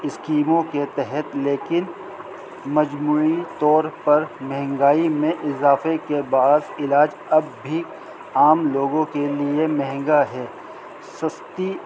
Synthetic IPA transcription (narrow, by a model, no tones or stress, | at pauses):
ɪskiːmõket̪ɛɦɛt̪leːkɪn | mɐd͡ʒmuːit̪ɔːɾpɐɾmɛɦɛ̃ŋɡaːimẽʔɪzaːfekebaːd̪ɪlaːd͡ʒ | ɐbːʱi | aːmloːɡõkeliemɛɦɛ̃ŋɡaɦɛː | sɐst̪i